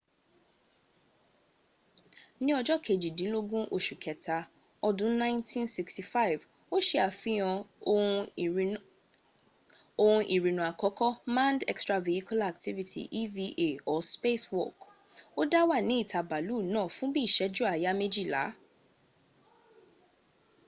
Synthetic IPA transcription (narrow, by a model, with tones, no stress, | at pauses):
nĩ˦ɔ˧d͡ʒɔ˦kʰe˨d͡ʒi˨dĩ˨˦lo˦ɡũ˦ʔo˧˨ʃu˨kʰɛ˨tʰa˧ | ɔ˧dũ˦nã˦ɪ̃˦ntʰĩ˦nsi˧ksti˨fa˦i˨v | o˦ʃe˧a˨fĩ˨˦ɔ̃˧ũ˧ | o˧hũ˧ʔi˨ɾĩ˨nũ˨a˨kɔ˨˦kɔ˦mã˦ndɛ˧kstɾa˧ve˨i˦ku˦la˨k̚ti˦vi˦tʰḭ˨ʔi˦vi˦˧ʔe˨ɔ˨spe˦swɔ̰˦˨k | o˦da˦wa˦˨nĩ˨˦i˦˨tʰa˨ba˨lu˦˨nãː˦˨fũ˦bi˦˨ʃɛ˨˦d͡ʒu˦a˨ja˦me˦d͡ʒi˦˨la̰˨˦